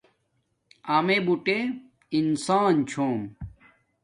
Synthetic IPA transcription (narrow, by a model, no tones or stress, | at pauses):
amebuʈe | insaːnt͡ɕʰoːm